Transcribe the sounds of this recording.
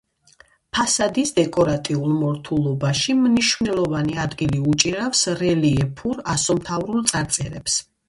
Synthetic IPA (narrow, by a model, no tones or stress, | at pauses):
pʰasad̪isd̪ɛkʼɔɾat̪ʼiulˠmɔɾt̪ʰulˠɔbaʃimniʃvnɛlˠɔvaniad̪ɡiliut͡ʃʼiɾafsɾɛliɛpʰuɾasɔmt̪ʰavɾulˠt̪sʼaɾt̪sʼɛɾɛps